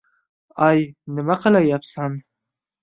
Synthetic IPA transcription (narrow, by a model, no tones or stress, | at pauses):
ajnəmaqalajapsan